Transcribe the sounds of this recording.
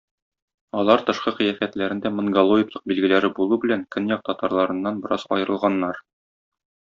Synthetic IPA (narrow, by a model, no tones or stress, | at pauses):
ɒlˠɑɾt̪ɤ̆ʃqɤqĭjæfæt̪læɾɘ̆nd̪æmɤ̆ɴɡalˠoɪklˠɤ̥q̚bilɡɘ̆læɾɘbulˠubɘ̆læŋkɵnjɒq̚t̪ɒt̪ɑɾlˠɑɾɤ̆nːɑnbɤ̆ɾɑzɒ̰jɤ̆ɾɤ̆lˠʁɑnːɑɾ